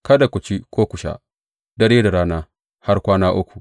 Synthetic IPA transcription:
kɐ˦da˨kʷʊ˨t͡ʃi˦kʷoː˦kʷʊ˨ʃa̰˦ | dɐ˦ɽeː˦da˨ɾaː˦naː˦ | ha˦rkʷaː˦naː˦ʔʊ˦kʷu˨

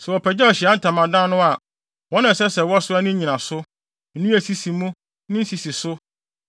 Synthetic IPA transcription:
sɛ˨wɔ˨pʰɛ˨d͡ʑɛ˦ɔ˨ɕi˨a˦n̩˦tʰã˨mã˨dã˦nʊ̃˦a˨ | wɔ̃˦nã˨sɛ˦sɛ˨wɔ˦sʊ˦a˦nɪ̃˦ɲĩ˨nã˨sʊ˦ | n̩˨˦nũ˦æ˨si˦si˨mũ˦ | nɪ̃˦n̩˦si˨si˨sʊ˦

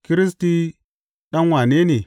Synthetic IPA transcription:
ki˦ɾi˦s̬ti˦ | ɗa˦nwa˨ne˦ni˨

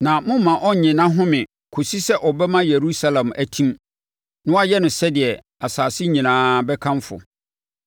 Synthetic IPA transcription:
nã˨mʊ̃˦mã˨ʔɔ˦˨ɲɪ̃˨nã˦ɦʊ̃˦mɪ̃˨ | kʰo˨si˦sɛ˦ʔɔ˨bɛ˦mã˦je˨ɾu˦sa˦˨lã˨mæ˨tʰĩ˦m | nʊ̃˦a˦jɛ˦nʊ̃˨sɛ˦dɪ˨ɛ˨ | a˨saː˨sɪ˦ɲĩ˨nãː˦bɛ˦kʰã˦nfʊ̰˨

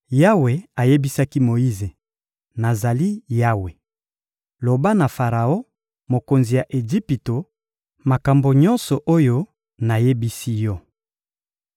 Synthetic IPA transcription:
ja˦we˨a˨je˦bi˦sa˦ki˦mo˨i˦ze˨ | na˨za˨li˦ja˦we˨ | lo˨ba˦na˨fa˨ʁa˨o˦ | mo˨ko˨nzi˨ja˨ʔe˨d͡ʒi˦pi˨to˨ | ma˨ka˨mbo˨ɲɔ˦nsɔ˨ʔo˦jo˦ | na˨je˦bi˦si˦jɔ˦

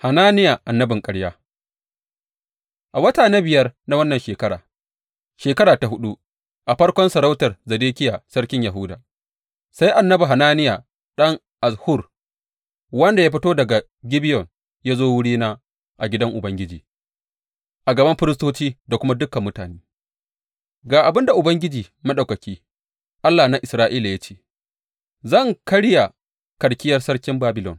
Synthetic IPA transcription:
ha˨naː˦nɪ˦ja˨ʔa˨nːɐ˦bɪ˨ŋkʼɐ˦ɽjaː˦ | ʔa˨wɐ˦taː˨na˦bɪ˨jɐ˦rna˦wɐ˦nːɐ˨nʃeː˨kɐ˦ɽa̰ː˨ | ʃeː˨kɐ˦ɾaː˨ta˨ɦʊ˦ɗu˦ | ʔa˨ɸɐ˦ɽkʷɔ˦nsɐ˨ɾa˦wtɐ˨rzɐ˨deː˦kʲɪ˦jaː˨sɐ˦ɽkʲɪ˦ɲja˨ɦʊ˦da̰ː˨ | sa˦jʔa˨nːɐ˦bu˨ɦa˨naː˦nɪ˦jaː˨ | ɗɐ˦ŋ | ʔa˨shʊ˦˨r | wɐ˦nda˨ja˦ɸ̬ɪ˦toː˦dɐ˨ɡa˨ | ɡʲɪ˦bɪ˦jɔ˨ŋ | jaː˦zoː˦wʊ˦ɽiː˦naː˦ | ʔa˨ɡʲɪ˦dɐ˦ŋʔʊ˨bɐ˦ŋɡʲɪ˦d͡ʒiː˨ | ʔa˨ɡɐ˨bɐ˦mɸɪ˦ɾɪ˦stoː˦t͡ʃiː˦da˨kʷʊ˦ma˦dʊ˦kɐ˨mːʊ˦taː˨neː˦ | ɡaː˨ʔa˨bɪ˦nda˨ʔʊ˨bɐ˦ŋɡʲɪ˦d͡ʒiː˨ | ma˦ɗa˨wkɐ˨kʲiː˦ | ʔa˦lːaː˨na˦ʔɪ˨sɾaː˦ʔiː˦la˨ja˦t͡ʃeː˦ | zɐ˦˨ŋkɐ˦ɽja˨ | kɐ˨ɽkʲɪ˦jɐ˦rsɐ˦ɽkʲɪ˦mbaː˦bɪ˨lɔ̰˨n

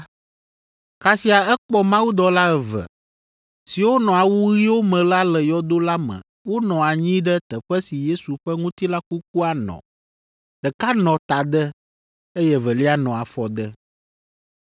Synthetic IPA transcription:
ka˨si˦a˨ɛ˦k͡pɔ˦mã˦wu˦d̪ɔ˨la˦ɛ˨və̰˨ | si˨wo˦nɔ̃˨a˨wu˦ɣi˦wo˦mɛ̃˨la˦lɛ˨jɔ˦d̪o˦la˦mə̰̃˨ | wo˦nɔ̃˨a˨ɲĩ˦ɖɛ˦t̪ə˨ɸɛ˦si˨je˦su˨ɸɛ˦ŋũ˦t̪i˦la˦ku˦k̚u˦a˨nɔ̰̃˨ | ɖə˨ka˦nɔ̃˨t̪a˨d̪ə˦ | e˦jɛ˦və˨li˦a˦nɔ̃˨a˨fɔ˨d̪ə˦

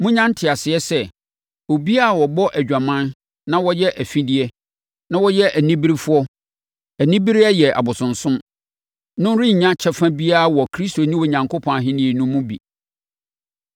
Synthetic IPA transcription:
mʊ̃˦ɲã˦n̩˦tʰɪ˨a˨sɪ˨˦ɛ˦sɛ˦ | o˨bi˦a˦˨wɔ˨bɔ˦ʔæ˨d͡ʑᶣa˨mã˦n | nã˦wɔ˦jɛ˦ʔæ˨fĩ˦di˦ɛ˦ | nã˦wɔ˦jɛ˦ʔæ˨nĩ˦bi˦ɾi˦fʊ˦ɔ˦ | æ˨nĩ˦bi˦ɾi˦a˦jɛ˨ʔa̰˨bʊ˨sʊ̃˨n̩˨sʊ̃˦m | nʊ̃˦n˦ɾĩ˦ɲ̩˨ɲã˦t͡ɕʰɛ˦fã˦bi˦a˦a˨wɔ˨kʰɾi˦sto˨nĩ˦wɔ˨ɲã˨ŋkʰo˦pʰɔ̃˨a˨ɦɪ̃˦nĩ˨e˨nũ˦mːũ˦bḭ˨

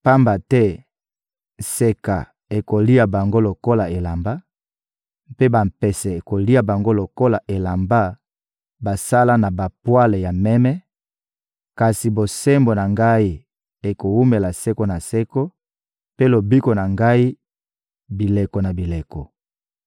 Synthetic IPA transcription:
pa˦mba˨tɛ˦ | se˨ka̰˨ | e˨ko˨li˦a˨ba˨ŋɡo˦lo˨ko˦la˨e˨la˨mba˦ | pe˦ba˨mpɛ˨sɛ˨e˨ko˨li˦a˨ba˨ŋɡo˦lo˨ko˦la˨ʔe˨la˨mba˦ | ba˨sa˦la˦na˨ba˨pwa˦le˨ja˨mɛ˦mɛ˦ | ka˨si˨bo˨sɛ˦mbo˨na˨ŋɡa˦i˦ | e˨ko˨wu˦me˨la˨sɛ˦ko˦na˨sɛ˦ko˦ | pe˦lo˨bi˦ko˨na˨ŋɡa˦i˦ | bi˨le˨ko˨na˨bi˨le˨kɔ˨

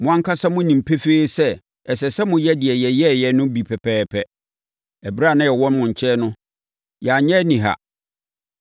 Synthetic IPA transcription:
mʊ̃˦˨ã˦ŋkʰa˦sa˦mʊ̃˦nĩ˨m̩˨pʰe˦feː˦sɛ˦ | ɛ˨sɛ˨sɛ˦mʊ̃˦jɛ˦dɪ˨ɛ˨jɛ˨jɛ˦˨jɛ˨nʊ̃˦bi˨pʰɛ˨pʰɛː˦pʰɛ˦ | ɛ˨bɾa˦˨nã˦jɛ˨wɔ̃˦nmʊ̃˨ɲ̩˨t͡ɕʰɛ˦nʊ̃˦ | ja˨ɲɛ̃˦nĩ˨ɦa̰˨

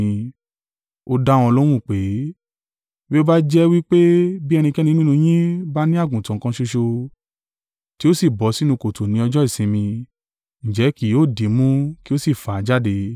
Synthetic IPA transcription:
ĩ˧ | o˧da˦w̃ɔ̃˧lɔ˦w̃ũ˦˨k͡pe˨˦ | bi˦o˦ba˦d͡ʒɛ˦wi˦k͡pe˦bi˦ɛ˧nĩ˧kɛ˦nĩ˧˦ĩ˦nũ˧j̃ĩ˦ba˦nĩ˦a˦˨ɡũ˨tã˨kã˧ʃo˧ʃo˧ | ti˦o˦si˦˨bɔ˨˦si˦nũ˧ko˨to˨nĩ˨˦ɔ˧d͡ʒɔ˦i˦˨sĩ˨˦mĩ˧ | ñ̩˨d͡ʒɛ˨˦ki˨˦o˦˨di˨˦mũ˦ki˦o˦si˦˨fa˨˦d͡ʒa˦de˧

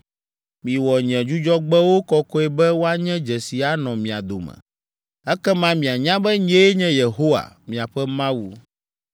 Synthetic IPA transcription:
mĩ˨wɔ˨ɲɛ̃˨d͡ʒu˦d͡ʒɔ˦ɡ͡bɛ˦wo˦kɔ˦kɔ˦ɛ˦bɛ˦wo˦a˦ɲɛ̃˦d͡ʒɛ˨si˨a˨nɔ̃˨mĩ˨a̰˨d̪o̰˨mɛ̰̃˨ | ɛ˦kɛ˦mã˦mĩ˨a˨ɲã˦bɛ˦ɲe˦ɲɛ̃˦je˨ɦo˦wa̰˨mĩ˨a˨ɸɛ˦mã˦wu˨

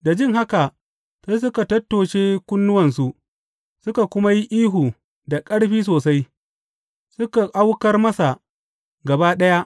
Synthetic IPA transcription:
da˨d͡ʒɪ˦ŋɦa˦ka˨ | sa˦js̬ʊ˦ka˨tɐ˦tːoː˨ʃeː˦kʷʊ˦nːʊ˦wɐ˨ns̬u˦ | sʊ˦ka˨kʷʊ˦ma˦ji˦ʔiː˦ɦu˨ | da˨kʼɐ˦ɽɸiː˦s̬oː˨sa˦j | sʊ˦ka˨ʔa˦wkɐ˦rmɐ˦sa˨ | ɡɐ˨ba˦ɗɐ˦ja˦ʔ

